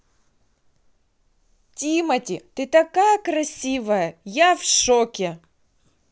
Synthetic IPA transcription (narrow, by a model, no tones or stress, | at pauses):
tʲimɐtʲɪt̪ɨt̪ɐkajɐkɾɐsʲivɐjɐjafʂokʲɪ